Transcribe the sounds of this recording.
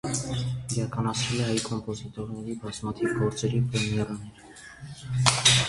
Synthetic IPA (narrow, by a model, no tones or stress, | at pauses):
iɾɑkɑnɑt͡sʰvɛlɛɦɑjkʰɔmpɔzit̪ɔɾnɛɾibɑzmɑt̪ʰivɡɔɾt͡sɛɾipɾɛmjɛɾɑnɛɾə